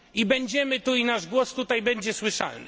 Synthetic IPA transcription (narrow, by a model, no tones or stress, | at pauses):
ibɛɲd͡ʑɛmɘt̪uinaʐɡwɔst̪ut̪ajbɛɲd͡ʑɛswɘʂa̰ln̰